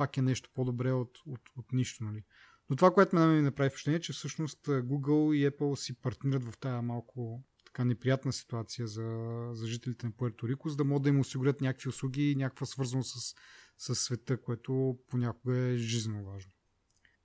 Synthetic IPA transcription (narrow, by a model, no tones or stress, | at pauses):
pakɛnɛʃt̪o̥pod̪obɾɛot̪ot̪ot̪niʃt̪onɐli | not̪ovakoɛt̪omɛnɛɛminɐpɾavifpʃt̪ɛniɛt͡ʃɛfsɤʃnost̪ːɡuɡəlˠiɛpəlˠsipɐɾt̪nʲiɾət̪vɐft̪ajəmalˠkʰʊ | t̪ɐ̥kanɛpɾijat̪nəsi̥t̪uat̪sijəzɐzɐʒit̪ɛlit̪ɛnɐpoɛɾt̪oɾikʊzəd̪ɐmɔɡəd̪əimʊsiɡʊɾʲət̪nʲakəkviʊslˠuɡʲinʲakəkvəsvɤɾzɐnosəsːɐsːvɛt̪ɤkoɛt̪oponʲakʊɡəɛʒizənovaʒno